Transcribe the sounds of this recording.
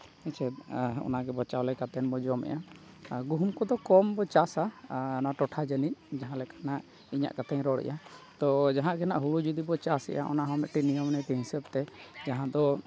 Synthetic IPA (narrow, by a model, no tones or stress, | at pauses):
ɛt͡ʃʰɛɔ̰naɡɛbɔt͡ʃawlɛkat̪ɛnbɔd͡ʒɔmɛ̰ʔja | ɡuɦumkɔd̪ɔkɔmbɔt͡ʃasanaʈɔʈʰad͡ʒənic̚d͡ʒaɦãlɛkḁnaʔ | iɲa̰ʔkat̪ɛɲɾɔɽɛ̰jʔat̪ɔd͡ʒaɦãɡɛnaʔɦuɽud͡ʒud̪ibɔt͡ʃasɛ̰ʔa̰ʔɔ̰naɦɔmɛʔʈinijɔmnɛʈɛɦĩsəb̚t̪ɛd͡ʒaɦãd̪ɔ